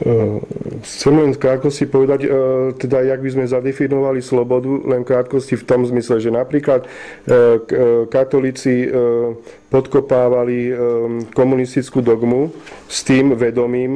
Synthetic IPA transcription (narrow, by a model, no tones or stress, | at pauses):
xt͡sɛmlɛnskɾaːt̪̚kɔscipɔʋɛd̪aɟt̪ɛd̪ajaɡ̚bizmɛzad̪ɛfinɔʋalislɔbɔd̪ulɛnkɾaːt̪kɔscift̪ɔmzmislɛʒɛnapɾiːklat̪ | kat̪ɔliːt͡si | pɔt̪kɔpaːʋali | kɔmunist̪it͡skuːd̪ɔɡmust̪iːmʋɛd̪ɔmiːm